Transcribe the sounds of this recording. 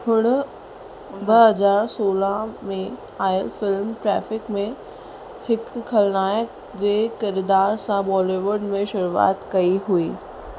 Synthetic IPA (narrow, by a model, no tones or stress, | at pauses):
hʊɽ̃ | bɐɦɐzaːɾsoːlãmẽ | aːɪəlfɪlmʈɾɛːfɪkmẽ | hɪkʰːɐlnaːjək | d͡ʑeːkɪɾd̪aːɾsãbɔːliʋʊɾɖmẽʃʊɾua̰ːt̪kɐiɦuiː